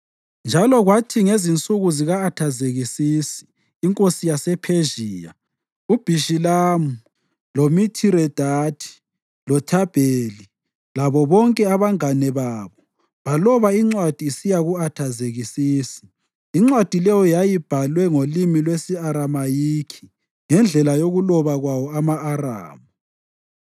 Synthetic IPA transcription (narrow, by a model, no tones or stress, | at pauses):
nd͡ʒʱalɔɣwatʰiŋezint͡sʼuɣuziɣaːtʰazeɣisiːsi̥ː | ŋkʼosijasɛpʰeʒiːja̰ | ub̥ʱiʃilaːmu | lomitʰiɾɛd̥ʱatʰi̥ | lɔtʰab̥ʱeːli | laβɔβɔŋkʼɛaβaŋanɛβaːβɔ | βalɔβaiŋ͡ǀwad̥ʱiːsijaɣuatʰazeɣisiːsi̥ | iŋ͡ǀwad̥ʱilɛjɔjajib̥ʱalwɛŋolimilwesiaɾamajiːkʰi̥ | ŋɛnd͡ɮʱɛlajoɣulɔβaɣwawɔamaːra̰ːmu